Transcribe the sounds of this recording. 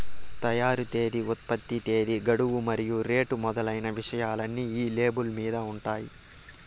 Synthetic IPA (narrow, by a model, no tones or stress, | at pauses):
t̪ɐjaːɾut̪e̞ːd̪iut̪̚pɐt̪ːit̪e̞ːd̪iɡɐɽuwumɐɾijuɾe̞ːʈumɔd̪ɐlɐjnɐʋiʂɐjaːlɐnːiːiːle̞ːbulmiːd̪ɐuɳʈaːji